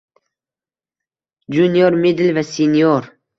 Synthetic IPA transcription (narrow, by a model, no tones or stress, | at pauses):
d͡ʒunjoɾmed̪ɪlvæsenijoɾ